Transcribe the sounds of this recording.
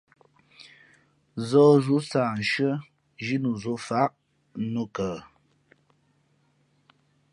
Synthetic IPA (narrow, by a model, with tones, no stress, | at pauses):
zɔː˦zu˨˦sa˨n̩˨ʃə˦ | ʒi˦nu˨zo˦fa˦ʔ | nu˦kə˨